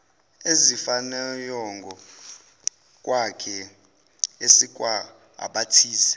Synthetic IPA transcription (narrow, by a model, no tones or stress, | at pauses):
ezifanɛjɔŋɡʱɔ | kʼwakʰɛ | esikʼwa | a̰ɓatʰiːsɛ̥